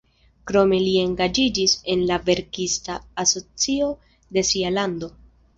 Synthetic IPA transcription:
kɾo̞me̞lie̞ŋɡad͡ʒid͡ʒise̞nlave̞ɾkistaːso̞t͡sio | de̞sialando̞

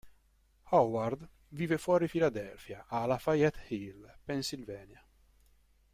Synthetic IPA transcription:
hawward̪ | viːvefwɔːɾifilad̪ɛlfjaʔaːlafajɛt̪hilpɛnsilvɛːnja

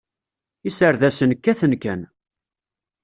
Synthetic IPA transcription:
isəɾðæsənkːæθənkæn

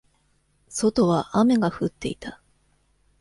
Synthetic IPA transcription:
so̞t̪o̞βaʔame̞ɡaɸɯ̟t̪ːe̞it̪a

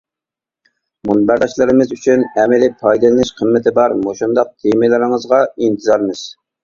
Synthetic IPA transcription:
munbæɾd̪ɑʃlˠɨɾɨmɨzyt͡ʃʰynɛmɪlɪpʰɑjd̪ɨlˠɨnɪʃqʰəmːɪt̪ʰɪbɑɾmoʃund̪ɑq̚t̪ʰemɪlɪɾɪŋəzʁɑint̪ʰɨzɑɾmɨz̥

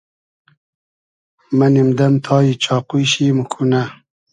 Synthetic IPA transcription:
mɐnimd̪ɐmt̪ʰɑːjit͡ɕʰɑːqujɕimukʰuna

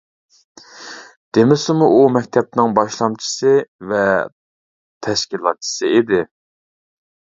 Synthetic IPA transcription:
d̪̥emɪsɪmuʔumɛk̚ʲt̪ʰɛp̚nɪŋbɑʃlˠɑmt͡ʃʰi̥sɨvɛ | t̪ʰɛʃkʲilˠɑt̪̚t͡ʃʰi̥sɨid̪ɪ

